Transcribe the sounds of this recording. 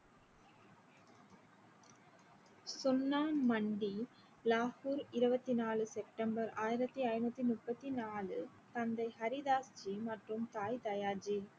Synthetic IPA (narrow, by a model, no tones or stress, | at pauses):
sɔnːaːnmɐɳɖi | laːhuːɾɪɾɯbɐt̪ːinaːlɯsɛp̚ʈɐmbɐɾaːjɪɾɐt̪ːiɐjɪɾnɐt̪ːinʊʈpːɐt̪ːinaːlɯ | t̪ɐnd̪ɐɪhɐɾiðaːsd͡ʒimɐʈrɯmt̪aːjt̪ɐjaːd͡ʒi